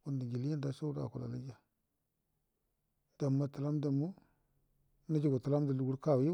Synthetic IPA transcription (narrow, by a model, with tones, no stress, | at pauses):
ku˨ndi˨ɡi˨li˦a˦da˨sa˦ɾa̰˨ku˨la̰˨la˦d͡ʒa˨ | d̥a˨mːa˨ta˨la˦m˦da˨mu˦ | na˦d͡ʒi˨ɡa˨ta˨la˦m˦da˨lu˨ɡu˦ɾka˦˨wi˦